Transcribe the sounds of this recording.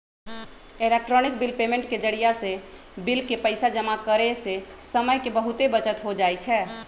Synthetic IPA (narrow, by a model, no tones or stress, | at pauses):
elek̚ʈɾɔnɪk̚bilpemẽɳʈked͡ʒəɽijase | bilkepəɪsad͡ʒəmakəɾesesəməjkebəɦut̪ebət͡ʃət̪ɦod͡ʒajt͡ʃʰɛː